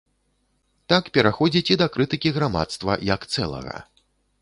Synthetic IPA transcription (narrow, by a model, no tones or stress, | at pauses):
t̪akpʲɛɾaxɔd͡zʲit͡sʲid̪ɐkɾɨt̪ɨkʲiɣɾama̰t̪st̪vɐ̰jɐkt̪sɛlˠɐ̰ɣɐ̰